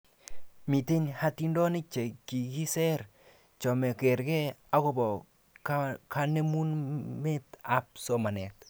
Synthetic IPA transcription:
mi˨te˦ɲha˦ti˦ndɔ˦nɪ˦t͡ʃe˨ki˨ɡi˦sɛ˦ɾ | t͡ʃɔ˨mɛ˨ke˨ɾkɛ˦a˨˦ko˦bɔ˨ | kka˦ne˦mu˦nme˦ta˦p̚so˨ma˨nɛ˨t

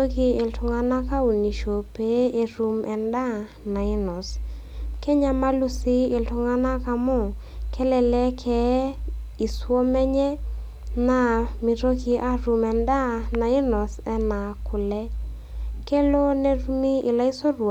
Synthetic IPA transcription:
o˦ki˨e˨ltʊ˨ŋa˦na˦ka˦u˨ni˨ʃo˨pe˨˦e˨ɾu˨mʔɛ˨nda˦ | na˨ɪ˦nɔ˨s | kɛ˦ɲa˦ma˦lu˦si˦ɪ˨ltʊ˨ŋa˦na˦ka˨mɔ˦˨ | kɛ˦lɛ˨lɛ˦kʰɛ˨˦ | i˨swɔ˦mɛ˦ɲɛ˦ | na˨mi˨ɾo˦ki˨ʔa˦ɾu˨mɛ˨nda˦na˨ɪ˦nɔ˨sɛ˦na˨kʊ˨lɛ˦ | kɛ˦lo˦ne˨ɾu˦mi˦ɪ˨la˦i˦so˦ɾw

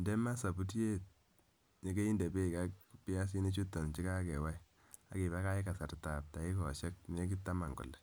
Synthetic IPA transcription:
ndɛ˦ma˦sa˨pu˦tje˦t̚ | ɲe˦ke˦i˦nde˨be˦˨ka˦kpɪ˦ja˦s̬i˦ne˦t͡ʃu˦tːɔ˨nt͡ʃi˦ka˦kɛ˨wa˦ | a̰˨ki˨ba˦ka˦ɪ˦ka˨sa˨ɾta˨p̚ta˨i˦kɔ̰˨ʃɛ˦k̚n˨e˦k̬i˦tːa˦ma˨ŋɡʊ̰˨lːɛ˨

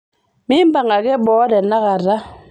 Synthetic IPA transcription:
mi˦m˦ba˨ŋa˨kɛ˦ɓɔː˦dɛ˨na˦ɣa˨ɾa˦

